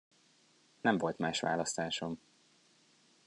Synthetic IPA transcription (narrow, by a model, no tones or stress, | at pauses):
nɛɱvo̞lt̪maːʃʋa̰ːlɒst̪aːʃom